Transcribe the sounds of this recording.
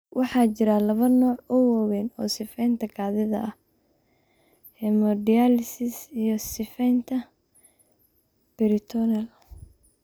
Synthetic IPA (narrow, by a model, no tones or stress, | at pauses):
wʔɑħɑːt͡ʃɪɾalɐβɐnɔːʕʊwɐwɛnɔ̰ːsɪfɛjnt̪ʰɐkʰaːðɪðɐ̰ʔɐh | hɛmɔdialɪsɪsijɔsɪfɛjnt̪ʰɐ | b̥ɛɾɪt̪ʰɔnɐl